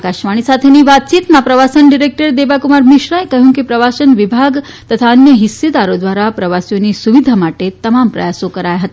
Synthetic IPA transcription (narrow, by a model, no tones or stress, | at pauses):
kaʃʋaɽ̃isat̪ʰeniːʋat̪̚t͡ɕiːt̪mapɾəʋasənɖiɾek̚ʈəɾd̪ebakumaɾmiɕɾajkəɦũŋkipɾɐʋasənʋibʱaɡ | t̪ət̪ʰaənjəɦisːed̪aɾod̪ʋaɾapɾɐʋasjoniːsuʋid̪ʱamaʈet̪ɐmampɾɐ̰jasokəɾajɦət̪a